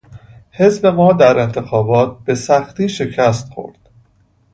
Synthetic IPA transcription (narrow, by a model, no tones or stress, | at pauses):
he̞zbe̞mɒːd̪æɾe̞nt̪ʰe̞xɒːbɒːt̪̚b̥e̞sæxt̪iːʃe̞cʰæst̪xo̰ɾd̪̥